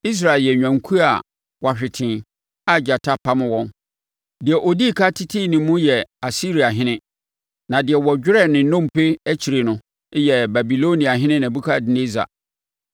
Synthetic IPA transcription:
i˦s̬ɾa˨ɪ˨ljɛ˨ɲᶣã˨ŋkʰu˦a˨ | wa˨ɕᶣɪ˨tʰɪ̃˨ | a˨d͡ʑa˨tʰa˦pʰa˦mʊ̃˦wɔ̃˦n | dɪ˨ɛ˨ʔo˨di˦˨kʰa˦tʰɪ˦tʰiː˦˨nĩ˨mũ˦jɛ˨a˨si˦ɾi˨a˨ɦɪ̃˦nɪ̃˦ | nã˨dɪ˨ɛ˨wɔ˨d͡ʑᶣɪ˦ɾɛ˦˨nɪ̃˨nɔ̃˦m˨pʰe˦æ˦t͡ɕʰi˨ɾe˨nʊ̃˨˦ | jɛ˨ba˨bi˨lo˦nĩ˨a˨ɦɪ̃˦nɪ̃˦nã˨bu˦kʰa˦˨dɪ˦ne˦za̰˨

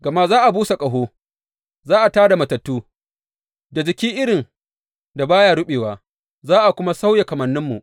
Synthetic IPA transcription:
ɡɐ˨ma˦zaː˦ʔa˨buː˦sa˨kʼɐ˨ɦoː˦ | zaː˦ʔa˨taː˦da˨mɐ˨tɐ˨tːuː˦ | da˨d͡ʒɪ˨kʲiː˦ʔɪ˦ɽɪ˨n | da˨baː˦ja˦ɽʊ˦ɓeː˨waː˨ | zaː˦ʔa˨kʷʊ˦ma˦sa˦wja˨kɐ˨mɐ˨nːɪ˦mːṵ˨ʔ

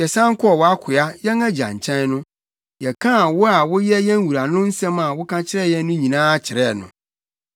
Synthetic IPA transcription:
jɛ˨sã˦ŋ˦kʰʊ˦ɔ˨wa˦kʰʊ˨a˦jɛ˦ŋæ˦d͡ʑã̰˨ɲ˨t͡ɕʰɛ̃˦n˦nʊ̃˦ | jɛ˨kʰã˦˨wʊ˦a˨wʊ˦jɛ˦jɛ̃˦ŋ̩˦wu˨ɾa˨nʊ̃˦n̩˦sɛ̃˦ma˨wʊ˦kʰã˦t͡ɕʰɪ˦ɾɛ˦jɛ˦n˦nʊ̃˦ɲĩ˨nãː˦a˦t͡ɕʰɪ˨ɾɛ˦˨nʊ̰̃˨

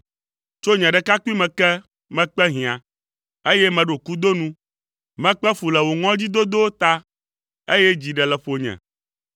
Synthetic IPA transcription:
t͡ʃo˦ɲɛ̃˨ɖɛ˨ka˦ku˦i˦mɛ̃˨kɛ˦ | mɛ̃˨k͡pɛ˦ɦĩ˨ã˨ | e˦jɛ˦mɛ̃˨ɖo˨ku˦d̪o˦nũ˦ | mɛ̃˨k͡pɛ˦fu˨lɛ˨wo˨ŋɔ̃˦d͡ʑi˦d̪o˦d̪o˦wo˦t̪a˦ | e˦jɛ˦d͡ʑi˨ɖɛ˨lɛ˨ɸo˨ɲɛ̰̃˨

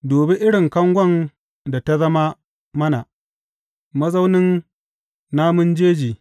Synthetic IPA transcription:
doː˨bɪ˦ʔɪ˦ɽɪ˨ŋkɐ˦ŋɡʷɐ˦n | da˨ta˦zɐ˦ma˦ | mɐ˦na˨ | mɐ˦za˦wnɪ˦n | naː˦mʊ˦nd͡ʒeː˦d͡ʒiː˨

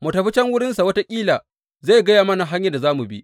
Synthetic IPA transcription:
mʊ˨tɐ˨ɸi˦t͡ʃɛ˦ŋwʊ˦ɽɪ˦nsa˨wɐ˦ta˦kʲʼiː˦laː˨ | ze˦˨jɡɐ˦jaː˨mɐ˦na˨ɦa˦ɲja˨da˨zaː˦mu˨bḭ˦ʔ

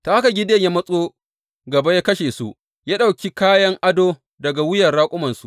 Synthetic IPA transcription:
ta˨ʔa˦ka˨ɡʲɪ˦deː˦˨ɲja˦mɐ˦sʼoː˦ | ɡɐ˨bɐ˦jaː˦kɐ˦ʃeː˨su˦ʔ | jaː˦ɗa˨wkʲi˦kaː˦jɐ˦ŋʔa˦doː˦ | dɐ˨ɡa˨wʊ˦jɐ˨rɽaː˦kʷʼʊ˦mɐ˨nsu˦ʔ

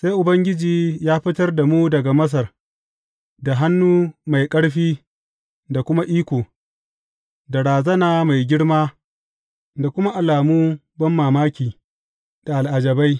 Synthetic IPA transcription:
sa˦jʔʊ˨bɐ˦ŋɡʲɪ˦d͡ʒiː˨jaː˦ɸɪ˦tɐ˦rda˨muː˦dɐ˨ɡa˨mɐ˦s̬ɐ˨r | da˨ɦa˦nːuː˦ma˨jkʼɐ˦ɽɸiː˦ | da˨kʷʊ˦ma˦ʔiː˦kʷoː˨ | da˨ɽaː˨zɐ˦naː˨ma˨jɡʲɪ˦ɽmaː˦ | da˨kʷʊ˦ma˦ʔa˨laː˨muː˦bɐ˦mːaː˨maː˦kʲiː˨ | d̥a˨ʔa˨lʔa˨d͡ʒɐ˨ba˦j

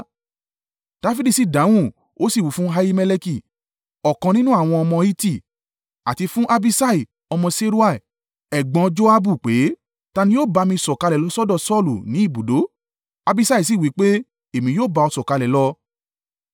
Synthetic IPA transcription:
d̥a˧fi˦di˦˨si˦˨dã˨˦w̃ũ˦˨ | o˨˦si˦˨wu˨˦fũ˦ɦa˧ji˧mɛ˧le˧ki˦˨ | ɔ˨kã˧nĩ˦nũ˦a˦˨w̃ɔ̃˧ɔ˧mɔ̃˧i˦ti˦˨ | a˨ti˧fũ˦ʔa˧bi˧sa˦i˨ | ɔ˧mɔ̃˧se˦ɾu˦a˦˨ | ɛ˨ɡ͡bɔ̃˧d͡ʒo˦a˦bu˦˨k͡pe˨˦ | ta˧nĩ˧˦jo˦˨ba˨˧mĩ˧˨sɔ˨ka˧lɛ˨lɔ˨˧˦sɔ˦dɔ˦˨sɔ˦˨lu˨nĩ˨˦i˦˨bu˨do˨˦ | a˧bi˧˦sa˧˦i˦˨s̬i˦˨wi˨˦k͡pe˦ | e˦˨mĩ˧joː˦˨ba˧ɔ˧sɔ˨ka˧lɛ˨lɔ˧

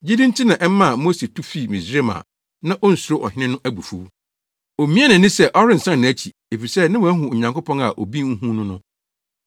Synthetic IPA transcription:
d͡ʑi˦dĩ˦ntʰi˦nã˨ʔɛ˦m˦mã˦˨mo˦se˨tʰu˦fi˦˨mĩ˨sɾe˦mã̰ː˨ | nã˦ʔɔ˦n̩˨su˨ɾo˦ʔɔ̰˨hɪ̃˦nɪ̃˦nʊ̃˦ʔæ˦bu˨fu˦w | o˨mĩ˦ɛ˦nã˨nɪ̃˦sɛ˦ʔɔ˦ɾɪ̃˦n̩˨sã˦nñ˨æ˦t͡ɕʰi˨ | e˨fi˨sɛ˦nã˦wɦʊ̃˨ɲã˨ŋko˦pʰɔ̃˦na˨ʔo˨bi˦ŋ̩˦ɦũ˦nʊ̃˦nʊ̃˦

